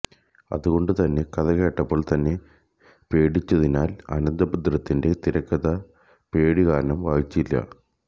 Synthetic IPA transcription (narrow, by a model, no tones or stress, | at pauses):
ɐ̰ðuɣo̞ɳɖɨt̪ɐnːe̞kɐðɐɣe̞ːʈːɐpːo̞ːɭt̪ɐnːe̞ | pe̞ːɽit͡ɕːɐðinaːlɐ̰nɐnd̪ɐpud̪rɐt̪ːinde̞t̪iɾɐkːɐðɐ | pe̞ːɽiɣaːɾnɐmʋaːɦit͡ɕːilːɐ̰